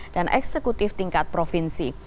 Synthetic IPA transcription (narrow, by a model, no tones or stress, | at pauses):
d̥anʔɛ̰ksekut̪ɪft̪iŋkat̪̚pɾofinsi